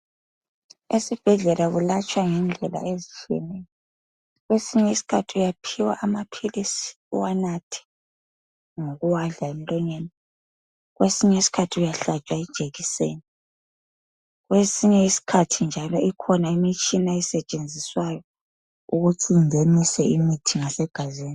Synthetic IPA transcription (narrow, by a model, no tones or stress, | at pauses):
esib̥ʱɛɮɛlaɣulat͡ʃʼwaŋɛnd͡ɮʱɛla̰ezit͡ʃʰiɛ̰nɛjɔ | ɣwesiɲɛisi̥kʰatʰiujapʰiwa̰ʔːmapʰilisi̥ | ṵwanatʰi̥ | ŋoɣuwaɮaem̩lʼɔɲeni | ɣwesiɲɛisi̥kʰatʰiujaɬat͡ʃʼwaɛd̥ʒ̥ʱeɣiseːni | ɣwesiɲɛisi̥kʰatʰind͡ʒʱalɔikʰɔnaimit͡ʃʼinaɛsɛt͡ʃʼend͡zʱiswajɔ | uɣuǀind͡zʱenisɛimitʰiŋasɛɡ̥ʱaziːni